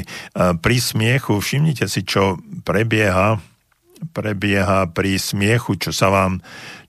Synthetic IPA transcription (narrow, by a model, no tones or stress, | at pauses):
pɾismɪɛxufʃimɲicɛsit͡ʃɔpɾɛbɪɛɦa | pɾɛbɪɛɦapɾismɪɛxut͡ʃɔsaʋaːm